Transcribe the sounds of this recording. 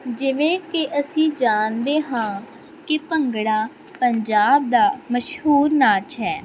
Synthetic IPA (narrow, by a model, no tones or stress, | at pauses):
d͡ʒɪʋẽːkɪʔəsĩːd͡ʒaːnd̪eːɦãː | kɪpəŋɡɽaː | pəɲd͡ʒaːb̚d̪aːməʃhuːɾnaːt͡ʃɦɛː